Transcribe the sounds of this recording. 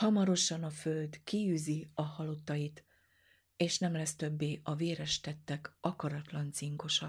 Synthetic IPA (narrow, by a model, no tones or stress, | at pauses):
hɒmɒɾo̞ʃɒnɒfø̞ld̪kiyːziɒhɒlo̞t̪ːɒjit̪ | eːʃnɛmlɛst̪ø̞bːeːʔɒveːɾɛʃt̪ɛt̪ːɛkɒkɒɾɒt̪lɒnt̪siŋko̞ʃɒk